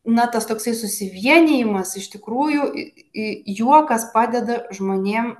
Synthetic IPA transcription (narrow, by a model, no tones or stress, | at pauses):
nɐt̪ɐst̪oːksɐɪsʊsʲɪʋʲiɛnʲɪjɪmɐsɪʃt̪ʲɪkɾuːjʊ | ɪjuɔkɐspɑːd̪ʲɛd̪ɐʒmoːnʲeːm